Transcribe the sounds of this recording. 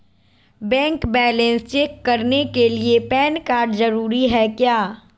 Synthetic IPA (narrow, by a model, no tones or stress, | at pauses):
bɛ̃ːŋkbɛːlə̃nst͡ʃeːkːɐɾnekeliepɛːnkaːɾɖzɐɾuːɾiɦɛkjaː